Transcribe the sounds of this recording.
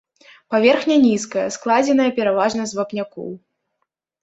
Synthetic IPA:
pavʲɛrxnʲɐnʲiskɐjɐsklˠad͡zʲɛn̪ɐjɐpʲɛɾavaʐnɐzvɐpnʲakɔ̰w

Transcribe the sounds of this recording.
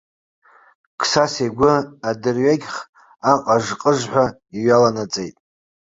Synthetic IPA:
kʰsasejɡʷʊadɨrɥaɡʲχ | aqʼaʐqʼəʐħʷa | iɥalanat͡sʼejtʼ

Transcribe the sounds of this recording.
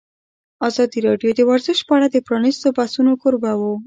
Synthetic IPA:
ɑzɑd̪iɾɑɖjod̪ewaɾzɪʃpaɽad̪epɾɑnist̪obasunokʊɾbawo

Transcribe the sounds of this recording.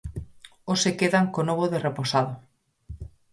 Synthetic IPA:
osekeðaŋkonoβoðereposaðo

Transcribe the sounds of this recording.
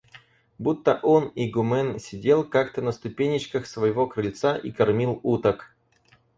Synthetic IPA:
but̪ːəʔoniɡʊmɛnsʲɪdʲelˠkakt̪ənəst̪ʊpʲenʲɪt͡ɕkəxsvəjɪvo̞kɾəlʲt̪saʔikɐrmʲilˠut̪ək

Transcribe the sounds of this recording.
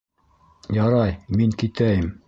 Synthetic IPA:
jɑɾɑjmiŋkit̪æjɘm

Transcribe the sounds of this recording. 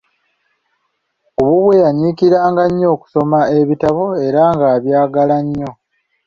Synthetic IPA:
oβuβwe̞jaɲiːkiɾaːŋɡaɲːo̞ːku̥so̞mae̞βitaβo̞e̞ɾaŋɡaːβjaːɡalaɲːo̞

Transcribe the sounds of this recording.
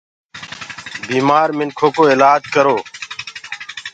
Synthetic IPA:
biːmaːɾmɪnkʰoːkoːeːlaːd͡ʒkəɾoː

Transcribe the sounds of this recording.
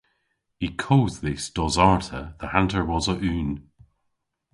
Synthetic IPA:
ikʰoːzðɪsd̥ɔzaɹtʰəðəhãntə˞wɔzəʔʉːn

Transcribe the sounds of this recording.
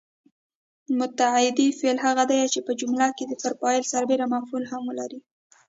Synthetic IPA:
mʊt̪aʕɪd̪ifelɦaɣad̪ajat͡ʃepəd͡ʒʊmlɑked̪əfaɾpɑjɪlsaɾbeɾamafulhamwəlaɾi

